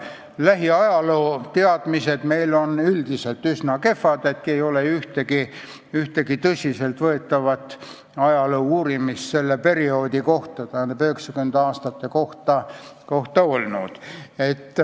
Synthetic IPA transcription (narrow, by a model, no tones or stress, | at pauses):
læɦiɑjɑloːt̪eɑd̪̥mise̞d̪̥me̞jlo̞nyld̪̥ise̞lt̪ːˑysnɑke̞fːɑd̪et̪̚kejo̞leyht̪eɡi | yht̪e̞ɡit̪ɤsʲise̞lt̪vɤe̞t̪ːˑɑvɑt̪ː | ɑjɑlouuːɾimist̪se̞lːepe̞ɾio̞ːd̪̥ʲiko̞ht̪ɑt̪æhɑnebøheksɑkyend̪̥eɑːst̪ɑt̪ːe̞ko̞ht̪ɑ | ko̞ht̪ɑo̞lnud̪̥e̞t̪ːˑ